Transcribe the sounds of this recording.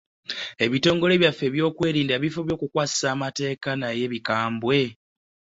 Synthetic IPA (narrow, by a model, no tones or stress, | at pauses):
e̞βito̞ːŋɡo̞le̞ːβjafːe̞βjo̞ːkwe̞ːɾiːndaβifoβjo̞ːkukwaːsi̥saːmate̞ːkanaje̞βikaːmbwe̞